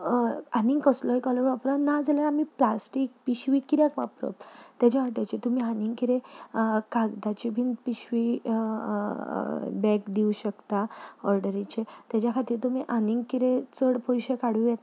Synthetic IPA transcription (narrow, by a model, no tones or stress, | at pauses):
anĩŋɡkəslɔikɔləɾʋapɾanad͡zalaɾamiplasʈik̚piɕʋikiɾjakʋa̰pɾɔ̰t̪jat͡ɕaʋaʈ̬jat͡ɕit̪umiːaniŋɡkiɾẽkaɡd̪at͡ɕibʱind̪piɕʋi | bɛkd̪iuɕəkt̪aɔɾɖəɾit͡ɕet̪jat͡ɕjakʰat̪iːɾt̪umiʔaniŋɡkiɾet͡səɽpɔjɕekaɽujet̪